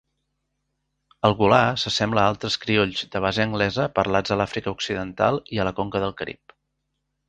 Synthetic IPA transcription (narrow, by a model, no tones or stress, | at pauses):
əlˠɣulasəsɛmbləalˠt̪ɾəskɾioʎzd̪əβ̞azəəŋɡlɛzəpərlad͡zəlafɾikəuksiðənt̪a̰lˠiələkoŋkəðəlˠkəɾḭp